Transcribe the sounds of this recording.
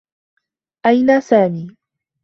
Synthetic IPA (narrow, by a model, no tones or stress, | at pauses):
ʔajnaːsaːmiː